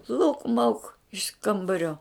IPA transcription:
lˠɐʊk mɐʊk ɪʃ ˈkɐmbɐrʲoː

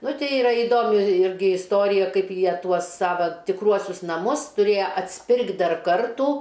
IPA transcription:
ˈnʊ ˈtʲɛɪ ɪˈrɐ ɪˈdoːmʲɪ ˈɪrʲɡʲɪ ɪsˈtoːrʲɪjɛ ˈkɐɪp ˈjiɛ ˈtuɔs ˈsɑːʋɐ tʲɪkˈruɔsʲʊs nɐˈmʊs tʊˈrʲeːjɛ ɐtʲsʲˈpʲɪrktʲ ˈdɐr ˈkɐrtʊ

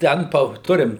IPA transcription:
ˈtʲɛn pɐ ˈtʊrʲɪm

